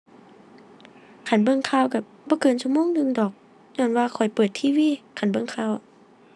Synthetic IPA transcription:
kʰa˧˩nbɤ˧˨ŋkʰaː˧˨wka˧˩ | bɔː˧˦kɤː˨nsu˧˥˨moː˧˥˨ŋnɯ˧˨ŋdɔː˨˩k̚ | ɲɔː˧˩˨nwaː˧kʰɔ˨˩jpɤː˨˩t̪ʰiː˧˥˨wiː˧˥˨kʰa˧˩nbɤ˧˥˨ŋkʰaː˧˥˩w

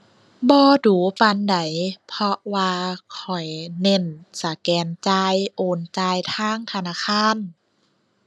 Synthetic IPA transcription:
bɔː˧duː˨˩˦pa˧nda˨˦jpʰɔ˧waː˧kʰɔ˨˩jne˧˩˨nsa˨˦kɛː˨˩nt͡ɕaː˧jʔoː˨˧nt͡ɕaː˧jt̪ʰaː˧˥˨ŋt̪ʰa˧naː˧˥˨kʰaː˧˥˨n

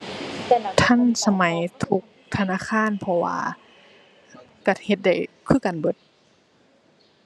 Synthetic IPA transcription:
t̪ʰa˧˥˨nsa˧ma˨˦jt̪ʰu˧k̚t̪ʰa˧naː˧˥˨kʰaː˧˥˨npʰɔ˧wa̰ː˧ | ka˧˩he˧t̪̚da˧˩jkʰɯː˧˥˨ka˨nbɤ˧˦t̪̚

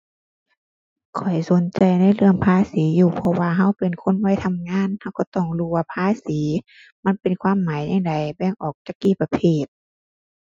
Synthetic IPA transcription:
kʰɔ˨˩jso˨˦nt͡ɕa˨jna˧˥˨jlɯ˧˨əŋpʰaː˧˥˨siː˨˦juː˧˩pʰɔ˧waː˧ɦa˧˥˨wpe˨nkʰo˧˥˨nwa˧˥˨jt̪ʰa˧˨mŋaː˧˥˨nha˧˥˨wkɔ˧˩t̪ɔ˧˩ŋluː˧˩waː˧pʰaː˧˥˨siː˨˦ | ma˧˥˨npe˨nkʰwaː˧˥˨mːaː˨˦jɲa˧˩ŋda˨jbɛː˧˩ŋʔɔː˨˩k̚t͡ɕaː˧˩kːiː˧˨pa˧pʰeː˧˩t̪̚

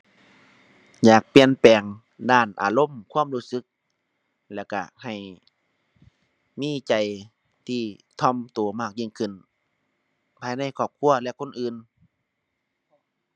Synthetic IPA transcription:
jaː˨˩k̚pi˨˧˨ənpɛː˨˩ŋ | daː˧˩nʔa̰ː˨lo˧˥˨mkʰuː˧˥˨mluː˧˥˩sɯ˧˦k̚ | lɛː˧˩wka˧˩ha˨˩j | miː˧˥˨t͡ɕa˨j | t̪ʰiː˧˩t̪ʰɔ˧˩˨mt̪u˨˩˦maː˧˩k̚ɲiː˧˨ŋkʰɯ˧˩˨n | pʰaː˧jna˧˩˨jkʰɔː˧˩p̚kʰu˧˩ɐlɛ˧ʔkʰo˧˥˨nʔɯː˨˧n

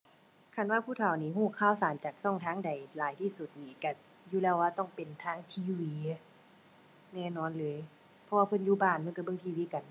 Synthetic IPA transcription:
kʰa˧˩˨nwaː˧pʰuː˧˩t̪ʰa˨˩wniː˧˩ɦuː˧˩kʰaː˧˥˩wsaː˨˦mt͡ɕaː˨˩k̚sɔ˧˩ŋt̪ʰaː˧˥˨ŋda˨˩jlaː˨˦jt̪ʰiː˧˩su˧˩t̪̚niː˧˩ka˧˩ | juː˧lɛː˧˩waː˧t̪ɔ˧˩ŋpe˨˩nt̪ʰaː˧˥ŋt̪ʰiː˧˥wiː˧˦ | nɛː˧˩˨nɔː˧˥˨nlɤː˨˧˦j | pʰɔ˧waː˧pʰɤ˧˥˨njuː˧˩baː˧˩nma˧˥˨ka˧˩bɤ˧˨ŋt̪ʰiː˧wiː˧˨ka˨˩n

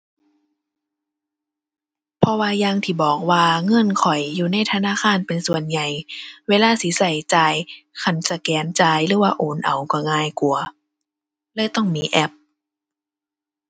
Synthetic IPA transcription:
pʰɔ˧waː˧jaː˧ŋt̪ʰiː˧˩bɔː˨˩k̚waː˧ŋɤ˧˥˨nkʰɔ˨˩jːuː˨˧na˧˥˩jt̪ʰa˧naː˧˥˨xaː˧˥˨npe˧nsu˨˩ənɲa˨˩jweː˧laː˧˥˨si˨˦sa˨˩jt͡ɕaː˧jkʰa˧˩nsa˧kɛː˨˦nt͡ɕaː˧jlɯː˨˦waː˧ʔoː˨˦nʔa˨˩wkɔ˧˩ŋaː˧˩jku˨˩ɐ | lɤː˧˥˨jt̪ɔ˥˩ŋmiː˧˨ʔɛ˧˩p̚

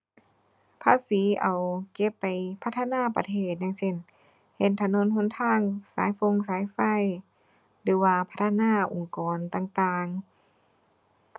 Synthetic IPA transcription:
pʰaː˧˥˨siː˨˦ʔa˨˩wke˧˩pːa˨jpʰa˦˥t̪ʰːa˧naː˧˥˨pa̰˧t̪ʰeː˧˩t̪̚ɲa˧ŋse˧˥˨n | he˧˩nt̪ʰa˧no˧˥˨nhʰo˧˥˨nt̪ʰaː˧˥˨ŋsaː˨˦jfo˧˨ŋs̬aː˨˦jfa˧˥˩j | lɯː˨˦waː˧pʰa˦˥t̪ʰːnaː˧˥˨ʔo˨ŋkɔː˨˩nt̪aː˧˨ŋt̪aː˧ŋ

